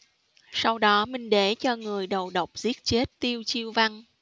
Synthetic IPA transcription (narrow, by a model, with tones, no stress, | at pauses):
sa˧wɗɔ˨˦mï˨˩ŋ̟ɗe˧˩t͡ɕɔ˧ŋɨ˨˩əjɗə˨˩wɗə˨˩wk͡p̚zi˦˥ət̚t͡ɕe˦˥t̚t̪i˧əwt͡ɕi˧əwva˧ŋ